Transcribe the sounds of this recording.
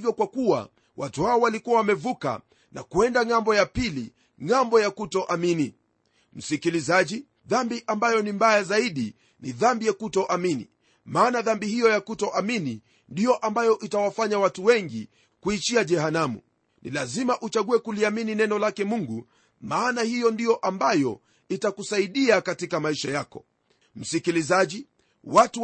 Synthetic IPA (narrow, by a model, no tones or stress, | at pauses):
vjɔkwakuwa̰ | watuhaɔwalikuwawamɛvuka̰ | na̰kuɛndaŋambɔjapili | ŋambɔjakutɔʔamini | m̩sikilizaʄi | ðambiʔambajɔnimbajazaiɗi | niðambijɛakutɔʔaminḭ | maːnaðambihijɔjakutɔʔamini | ndijɔʔambajɔʔitawafaɲawatuwɛŋɡi | kuit͡ʃiaʄɛhanamṵ | nḭlazimaʔut͡ʃaɠuwɛkuliamininɛnɔlakɛmuŋɡu | maːnahijɔndijɔʔambajɔ̰ | itakusaiɗiakatikamaiʃajakɔ | m̩sikilizaʄi | watu